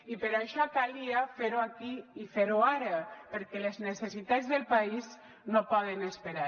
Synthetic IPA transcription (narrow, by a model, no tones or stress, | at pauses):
ipeɾaʃɔkaliafeɾoakiifeɾoaɾapeɾkɛleznesesit̪azðelpaiz | nopɔð̞enespeɾa